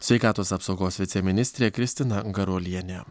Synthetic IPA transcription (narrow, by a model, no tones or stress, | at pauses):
sʲʋʲɛɪkɑːt̪oːsɐpsɒʊɡoːsʋʲɪt̪sʲɛmʲɪnʲɪsʲt̪ʲɾʲeːkɾʲɪsʲt̪ʲɪnɐɡɐɾolʲiɛnʲɛ